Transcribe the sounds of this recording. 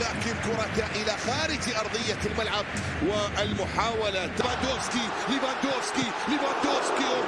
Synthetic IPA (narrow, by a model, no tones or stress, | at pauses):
laːkɪnkʊɾˤɑkaʔɪlaxaːɾɪd͡ʒʔɑɾˤðˤɨjːalmalʕab̚ | wɪɪlmʊħaːwalat̪avand̪oːfski | lɪvand̪oːfski | lɪvand̪oːfski